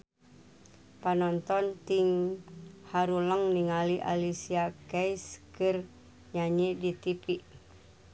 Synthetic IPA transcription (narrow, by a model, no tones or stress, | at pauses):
panɔnt̪ɔnt̪iŋ | haɾuləŋniŋaliʔa̰lisiakɛiskɨr | ɲaɲidit̪ipi